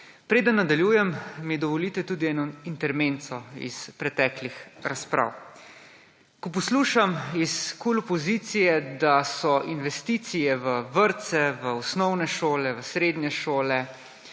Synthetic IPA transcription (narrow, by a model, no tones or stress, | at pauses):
pɾeːd̪ənːad̪aljuːjɛmːid̪ɔʋɔliːt̪ɛt̪uːd̪iɛːnɔint̪ɛɾmeːnt̪sɔḭspɾɛt̪ɛːklixɾaspɾʔa̰w | kɔp̬ɔsluːʃamiskulɔpɔzit̪sijɛd̪asɔinʋɛst̪iːt̪sijɛʋəʋəɾt̪sɛʋəɔsnɔwnɛʃoːlɛʋəsɾeːd̪ɲɛʃoːlɛ